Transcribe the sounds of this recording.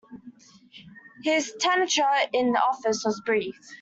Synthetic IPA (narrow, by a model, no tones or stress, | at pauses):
hɪz̥tʰɛnət͡ʃəɪ̃nðiʔɔfɪswɒzbɹiˑf